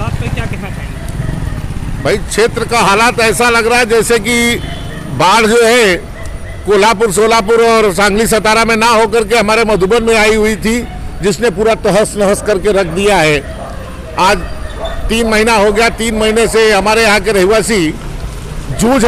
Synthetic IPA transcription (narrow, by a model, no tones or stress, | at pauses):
aːekjakɛʈat͡ʃaĩ | bʱɐikʃeːt̪ɾəkaɦaːlaːt̪ɛːsalɐɡɾaːɦɛd͡ʒɛːseki | baːɽ̤d͡ʒoːɦɛ | koːlapʊɾs̬oːlapʊɾɔːɾsãːŋɡlis̬ɐt̪aːɾamẽnaɦok̬ɐɾkeɦɐmaːɾemɐd̪ʱubənmẽaːiɦʊit̪ʰi | d͡ʒɪsnepuːɾat̪əɦəsnəɦəskɐɾkeɾɐk̚ʰd̪ijaɦɛː | aːd͡ʒt̪iːnmɐɦinaɦoɡɐjat̪iːnmɐɦineseɦɐmaːɾejɦãkeɾɐɦiʋaːsi | d͡ʒuːd͡ʒ